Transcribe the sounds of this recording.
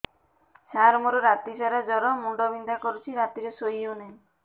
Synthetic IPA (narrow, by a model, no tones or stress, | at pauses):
saɾmɔɾɔɾat̪isaɾad͡ʒɔɾɔmuɳɖɔbind̪akɔɾut͡ʃʰiɾat̪iɾesojune